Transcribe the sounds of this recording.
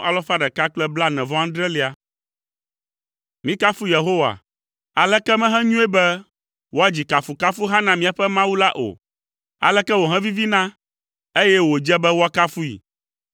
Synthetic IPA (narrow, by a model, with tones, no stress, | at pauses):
a˨lɔ˦fa˦ɖɛ˨ka˦k͡plɛ˦bla˦nɛ̃˨vɔ˦ã˦d̪ɾɛ˦li˦a˨ | mĩ˦ka˦fu˦je˨ɦo˦wa̰˨ | a˨lɛ˦kɛ˦mɛ̃˦ɦɛ̃˦ɲũ˦e˦bɛ˦ | wo˦a˦d͡ʑi˨ka˨fu˨ka˦fu˦ɦa˦nã˨mĩ˦a˨ɸɛ˦mã˦wu˦la˦ʔo̰˨ | a̰˨lɛ˦kɛ˦wo˨ɦɛ̃˦vi˦vi˦nã˦ | e˦jɛ˦wo˨d͡ʒɛ˦bɛ˦wo˦a˦ka˦fu˦ḭ˨